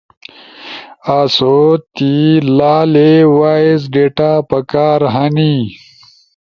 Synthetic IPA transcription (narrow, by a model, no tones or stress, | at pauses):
aːsot̪ilaːlewaːizɖeːʈaːpɐkaːɾɦɐni